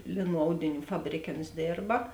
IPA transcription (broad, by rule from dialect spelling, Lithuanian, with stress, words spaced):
ˈlʲeːˌnuː ˈɐʊdʲɪˌnʲuː ˈfɑːbʲrʲeːˌkʲeː oːns ˈdʲeːrbɐ